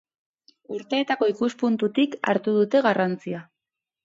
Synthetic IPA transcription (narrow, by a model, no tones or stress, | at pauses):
uɾt̪e̞ːt̪ako̞ikuspunt̪ut̪ika̰ɾt̪uð̞ut̪e̞ɣarant͡sia